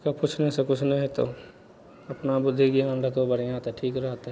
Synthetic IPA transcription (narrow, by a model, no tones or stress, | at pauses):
kapʊt͡ʃʰnesekʊt͡ʃʰnɐɦĩt̪o̰ | ɐpnabʊd̪ʱːiɡiə̃ɳɖət̪obɐɽijãːt̪ɛʈʰiːkɾɐɦt̪ɦɛ